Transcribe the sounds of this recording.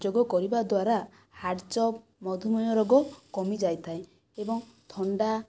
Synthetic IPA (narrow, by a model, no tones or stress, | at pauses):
d͡ʒoɡɔkɔɾibad̪waɾa | haɾɖt͡ʃɔp | mɔd̪ʱumɔjɔɾɔɡɔkɔmid͡ʒajt̪ʰae | ebɔŋ | t̪ʰɔɳɖa